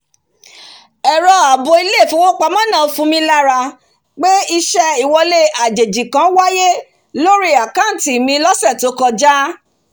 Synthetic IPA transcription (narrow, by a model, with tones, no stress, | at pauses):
ɛ˨ɾɔ˧a˨bo˧i˧le˦˨fũ˦wo˦k͡pa˧mɔ̃˦nã˦˨˧fũ˧mĩ˧la˦ɾa˧ | k͡pe˦i˧ʃɛ˧i˦˨wɔ˧le˦a˨d͡ʒe˨d͡ʒi˨kã˨˦wa˦je˦ | lo˦ɾi˦a˨ka˦˨n˨ti˨mĩ˧˦lɔ˦sɛ˦˨to˨˧˦kɔ˧d͡ʒa˦